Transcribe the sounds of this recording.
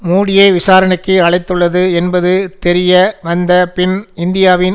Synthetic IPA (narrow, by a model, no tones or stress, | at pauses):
muːɽɪjeːʋɪsaːɾɐɳɐkːɯɐɭɐɪt̪ːɯɭːɐðɯɛnbɐðɯt̪ɛɾɪjɐʋɐnd̪ɐpɪnɪnd̪ɪjaːʋɪn